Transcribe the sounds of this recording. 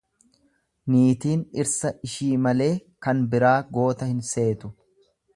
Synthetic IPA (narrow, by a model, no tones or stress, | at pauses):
niːt̪iːnɪɾsɐʔɪʃiːmɐle̞ːkɐnbɪɾaːɡo̞ːt̪ɐhɪnse̞ːt̪ʊ̥